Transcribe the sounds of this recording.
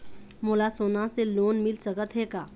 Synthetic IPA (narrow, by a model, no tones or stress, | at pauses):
moːlasoːnãseloːnmɪlsəkət̪ɦeːkaː